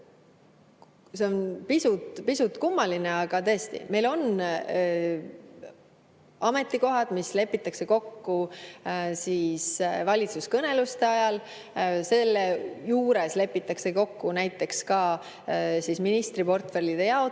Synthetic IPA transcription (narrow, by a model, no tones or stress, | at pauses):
se̞o̞npisut̪pisut̪ːˑkumːɑline̞ɑɡ̥ɑt̪ɤest̪ḭme̞jlo̞n | ʔɑme̞t̪ːˑiko̞ɦɑd̪̥misle̞pːˑit̪ːˑɑkse̞ko̞kːu | siːsvɑlʲit̪suskɤne̞lust̪e̞ɑjɑl | se̞lːe̞juːɾe̞sle̞pːˑit̪ːˑɑkse̞ko̞kːunæjt̪ːˑe̞kskɑ | sisminist̪ripo̞rt̪fe̞ɾlid̪̥e̞jɑo